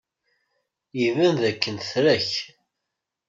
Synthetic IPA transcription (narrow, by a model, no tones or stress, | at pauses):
ivænðækːənθɾæç